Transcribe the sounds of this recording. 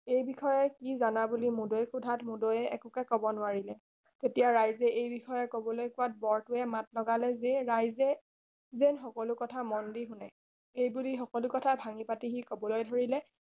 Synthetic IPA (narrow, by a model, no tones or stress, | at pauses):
ejbixɔjɛkizanabulimudojxʰudʱatmudojɛɛ̰kʊkɛkɔbɔnʊaɹilɛ | tetijaɹajzɛʔejbixɔjɛkobɔlojkʊwat̚bɔɹtʊɛmatlɔɡalɛzeɹajzɛ | zenxɔkɔlʊkɔtʰamɔndiɦʊnɛ̰ | ejbulixɔkɔlʊkɔtʰabʱaŋipatiɦikɔbɔlojdʱoɹilɛ